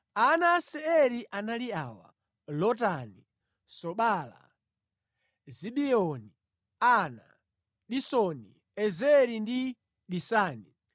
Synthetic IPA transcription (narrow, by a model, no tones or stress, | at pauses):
anasɛɛɾiʔanaliaːwa̰ | lɔt̬ani | sɔɓala̰ | ziɓiɔni | ana̰ | ɗisɔnḭ | ɛzɛɾindi | ɗisaːni